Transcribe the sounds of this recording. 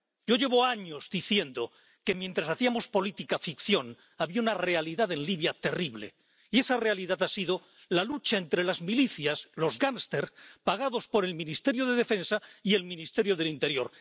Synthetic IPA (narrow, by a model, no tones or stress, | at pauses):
ɟ͡ʝo̞ʝe̞βo̞aɲo̞zðiθje̞nd̪o̞ | ke̞mjent̪ɾasaθiamo̞spo̞lit̪ikafikθjo̞n | aβiaunare̞aliðaðe̞nliβjat̪e̞riβle̞̰ | ie̞sare̞aliðaðasiðo̞ | lalut͡ʃae̞nt̪ɾe̞lazmiliθjaslo̞zɣanst̪e̞ɾpaɣ̞aðo̞spo̞ɾe̞lmĩnist̪e̞ɾjo̞ð̞eð̞efe̞nsaie̞lmĩnist̪e̞ɾjo̞ð̞e̞lint̪e̞ɾjo̞ɾ